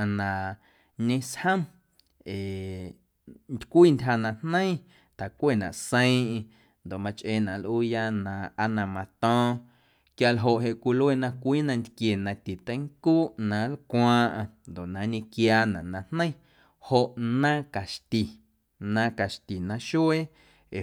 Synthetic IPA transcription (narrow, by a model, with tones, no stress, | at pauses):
a˨nã˨ | ɲẽ˧shə̃˦m | eː˨ | nd̪kʷiː˦˨ntʲɦa˧nã˧hnə̃˦ĩ˦ | t̪a˨kʷe˦˨nã̰˨ʔsə̃˦ĩ˦ʔĩ˧ | nd̪o˨ʔmã˧t͡ʃʔeː˧˨nã˨ʔlʔuː˦ja˦nã˧a˦nã˧mã˧t̪ɔ̃ː˦ | kja˧lɦo˧˨ʔɦe˧ʔkʷi˧lwe˦˨nã˧kʷiː˦nã˧ʔnd̪kje˨nã˧t̪i˨t̪ə̃˦ŋkuː˦ʔnã˨˦lkʷãː˦˧ʔã˧nd̪o˨ʔnã˨˧ɲẽ˧kjaː˧nã̰˨ʔnã˧hnə̃˦ĩ˦ | ho˧ʔnã˦ka˨ʃt̪i˨ | nã˧ka˨ʃt̪i˨nã˧ʃu˦e˦ | e˨